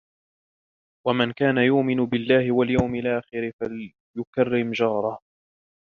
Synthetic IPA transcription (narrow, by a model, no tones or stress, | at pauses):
wamankaːnajʊʔmɪnʊbɪlːaːhɪwaljawmɪlʔaːxɪɾɪfal | jʊkarːɪmd͡ʒɑːɾˤɑ